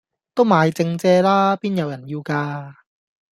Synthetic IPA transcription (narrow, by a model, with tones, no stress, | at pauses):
t̪o˥˩wmaː˨˧jt͡se˧ŋt͡sɛː˧laː˥piː˥nja˨˩wja˨˩nji˧wkaː˧